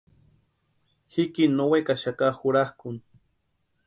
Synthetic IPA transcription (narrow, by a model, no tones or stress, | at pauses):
hikinowekaʃakahʊɾahkʊŋ